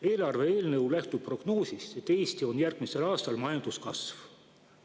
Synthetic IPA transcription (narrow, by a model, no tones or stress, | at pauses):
e̞ːlɑrve̞eːlnɤwlæht̪upro̞ɡ̥no̞ːsʲist̪e̞t̪ːe̞ːst̪io̞njærɡ̥mise̞lɑːst̪ɑlmɑjɑnd̪̥uskɑsv